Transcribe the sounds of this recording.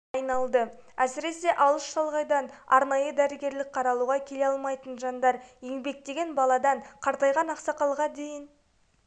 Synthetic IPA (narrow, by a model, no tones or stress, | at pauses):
jnɑlˠd̪əæsɪɾe̞se̞ʔɑlˠəʃtɑlˠʁɑjd̪ɑnɑ̰ɾnɑjəd̪æɾɪɡʲe̞ɾlɪk̚qʰɑɾɑlˠuʁɑkʲʰe̞le̞ɑlˠmɑjt̪ənʒɑnd̪ɑɾjeŋbe̞k̚t̪e̞ɡʲe̞nbɑlˠɑd̪ɑɴqʰɑɾt̪ɑjʁɑnɑqsɑqɑlˠʁɑd̪e̞jɪn